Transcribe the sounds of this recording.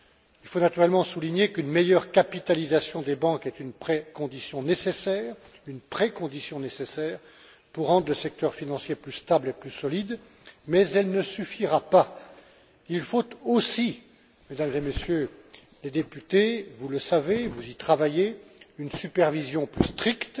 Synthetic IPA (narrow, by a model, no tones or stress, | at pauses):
ilfonat̪yʁɛlmɑ̃suliɲekynmejœʁkapit̪alizasjɔ̃d̪ebɑ̃kɛt̪ynpχekɔ̃d̪isjɔ̃nesesɛːʁ | ynpχekɔ̃d̪isjɔ̃nesesɛːʁ | puʁːɑ̃d̪ʁləsɛk̚t̪œʁfinɑ̃sjeplyst̪ableplysɔlid̪ | mɛzɛlnəsyfiʁapa | ilfot̪osi | med̪amzemesjø | led̪epyt̪evuləsavevuzit̪χavajeynsypɛʁvizjɔ̃plyst̪χikt̪